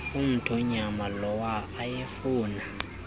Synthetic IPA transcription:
um̩tʰɔɲamalɔwaːjefuːna

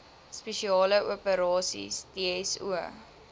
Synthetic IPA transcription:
speʃiɑːləuəpəɾɑːsḭsdeɛsṵə

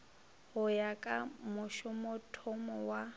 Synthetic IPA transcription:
hʊjakʼamʊʃʊmʊtʰʊmɔwa

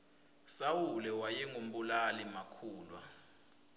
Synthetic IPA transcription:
sawulɛwajɛŋum̩ɓulalimakʰuːlwa̰

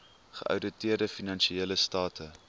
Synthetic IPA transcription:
χə̰ʔœ̰wdətiərdəfinɐnʃieːləstɑːtʰə

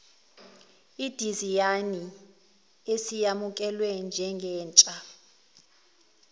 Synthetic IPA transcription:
id̥ʱizijani | esijamukʼɛlwɛnd͡ʒʱɛŋɡʱɛːnt͡ʃʼa

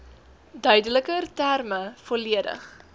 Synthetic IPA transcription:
dœɥdələkərtærməfɔliədə̰χ

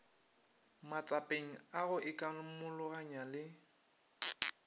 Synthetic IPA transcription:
mat͡sʼapʼeŋ̩aɣʊʔɪkʼamʊlʊɣaɲalɪ

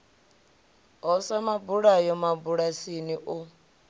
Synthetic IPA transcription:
ɔsamabuɺajɔmabuɺasiniʔʊ

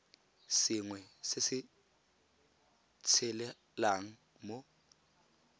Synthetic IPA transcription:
sɪŋwɛsɪsɪ | t͡sʰɛlɛ | laŋ̩ | mo

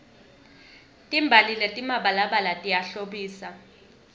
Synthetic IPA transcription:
tʼimbʱalilɛtʼimaɓalaɓalatʼijaɬoɓiːsa

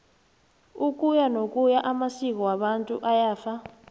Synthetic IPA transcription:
ukʼujanokʼujaʔamasik̬ʼɔwaɓantʼuʔajaːfa

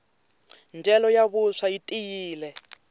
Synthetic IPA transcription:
nd͡ʒɛlɔjaβuʂaitʼijiːlɛ

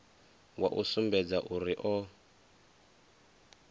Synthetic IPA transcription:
wa̰ʔusumbɛd͡zaʔuɾiʔɔ

